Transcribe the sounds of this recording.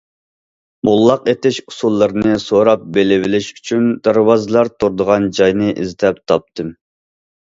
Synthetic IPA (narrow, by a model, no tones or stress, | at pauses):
mulˠːɑqet̪ɪʃusulˠːɨɾnɨsoɾɑp̚belɪvɪlɪʃy̥t͡ʃʰynd̪æɾwɑzɨlˠɑɾt̪ʰuɾd̪əʁɑnd͡ʒɑjnɨʔizd̪ɛp̚t̪ʰɑp̚t̪ʰɨm